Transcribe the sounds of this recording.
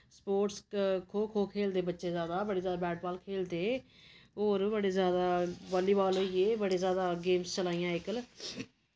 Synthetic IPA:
spoːʈskʰoːkʰoːkʰeːld̪eːbətːʃeːzjaːd̪aːbəɽiːzjaːd̪aːbɛːʈbaːlkʰeːld̪eː | ɦoːɾbəɽeːzjaːd̪aːbɔːliːbaːlɦoieːbəɽeːzjaːd̪aːɡeːmst͡ʃəlaːijãːɪkl

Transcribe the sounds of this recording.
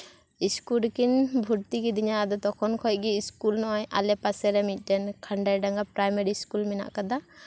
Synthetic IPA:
iskulkinbʱuɾt̪iɡid̪iɲad̪ɔt̪ɔkʰɔnkʰɔj̚ɡiiskulnɔʔɔɲʔa̰lɛpasɛɾɛmit̪̚ˀʈɛnkʰaɳɖajɖaŋɡapɾajmaɾiskulmɛna̰ʔkad̪a

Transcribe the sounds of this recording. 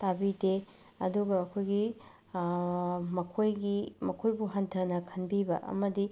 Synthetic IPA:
tabide | ɐ̰duɡɐːkʰojɡi | mɐkʰojɡimɐkʰojbuɦɐntʰɐnɐkʰɐnbibɐ̰ʔɐ̰mɐdi

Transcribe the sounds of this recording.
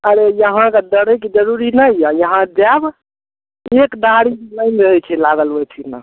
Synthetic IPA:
əɾejəɦãked̪əɽəkid͡ʒəɾuɾinəjjajəɦãd͡ʒab | ekɖaɽikenəjnɾəɦɛt͡ʃʰɛlaɡəlbɛt͡ʃʰina̰

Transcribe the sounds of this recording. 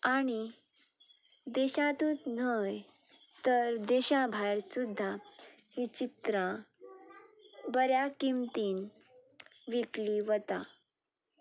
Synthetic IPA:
aɽ̃i | d̪eɕãt̪ũːt͡snəj | t̪əɾd̪eɕãbʱajɾsud̪ʱːaɦit͡ɕit̪ɾã | bəɾjakimt̪iːn | ʋikliʋət̪a

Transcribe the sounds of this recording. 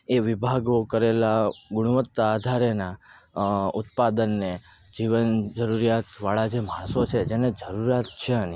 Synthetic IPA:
eʋibʱaɡokəɾelaɡʊɽ̃uʋət̪ːaːd̪ʱaɾena | ut̪pad̪ənːe | d͡ʒiʋənd͡ʒəɾuɾijat̪ʋaɭad͡ʒemãsot͡ʃʰed͡ʒened͡ʒəɾuɾjat̪̚t͡ʃʰeəni

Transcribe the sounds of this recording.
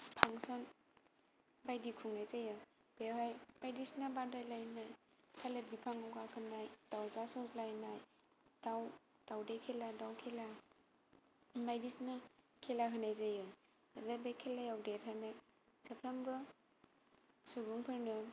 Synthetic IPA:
pʰaŋsɔn | bajdikʰuŋnajzajɯ | b̥eɦajbajdisnabadajlajnaj | kʰalebipʰaŋawkʰakʰɯnajdawzasɔslajnaj | daw | dawdekʰeladawkʰela | majdisna | kʰelakʰɯnajzajɯ | adabejkʰelajawdet̚hanaj | səpʰɾambɯ | subuŋpʰɯɾnɯ

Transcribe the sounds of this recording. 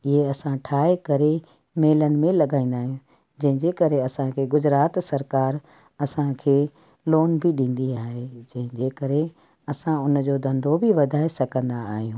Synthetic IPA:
ɪɦeɐsãʈʰaːekɐɾe | meːlənɪ̆mẽlɐɠaːĩːn̆d̪aːɦijũ | d͡ʑɐ̃ɦɪ̃d͡ʑekɐɾeɐsãkʰeːɡʊd͡ʑɾaːt̪sɐɾkaːɾ | ɐsãkʰeː | loːnbʱɪɗĩːn̆d̪iaːɦed͡ʑɐ̃ɦɪ̃d͡ʑeːkɐɾe | ɐsãʊnd͡ʑoːd̪ɐ̃nd̪ʱobʱɪʋɐd̪ʱaːesɐkə̃nd̪aːɦijũː

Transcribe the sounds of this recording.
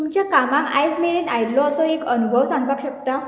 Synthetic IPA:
t̪umt͡ɕjakamãŋka̰jd͡zmeɭiːnajlɔəsɔekənubʱəʋsãŋɡakɕəkt̪a

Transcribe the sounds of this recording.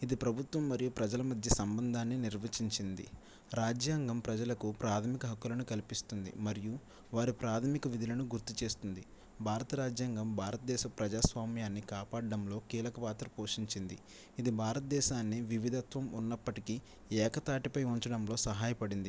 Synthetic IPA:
id̪ipɾɐbʱut̪ʋɐmːɐɾijupɾɐd͡ʒɐlɐmɐd̪ʱjɐsɐmbɐnd̪ʱaːnːiniɾʋɐt͡ʃiɲt͡ʃind̪ḭ | ɾaːd͡ʒjaːŋɡɐmpɾɐd͡ʒɐlɐkupɾaːt̪ʰɐmikɐɦɐkːulɐnukɐlipist̪und̪ḭmɐɾiju | ʋaːɾipɾaːt̪ʰɐmikɐʋid̪ʱilɐnuɡuɾt̪ːit͡ʃe̞ːst̪und̪i | bʱaːɾɐt̪ɐɾaːd͡ʒjaːŋɡɐmbʱaːɾɐt̪ɐd̪ɛːʃɐpɾɐd͡ʒaːsʋaːmjaːnːikaːpaːɽɐɖɐmlo̞ːkiːlɐkɐpaːt̪ɾɐpo̞ːʂiɲt͡ʃind̪iː | d̪ibʱaːɾɐt̪ɐd̪ɛːʃaːnːiʋiʋid̪ʱɐt̪ʋɐmunːɐpːɐʈiki | ɛːkɐt̪aːʈipɐjuɲt͡ʃɐɽɐmlo̞ːsɐɦaːjɐpɐɽind̪i

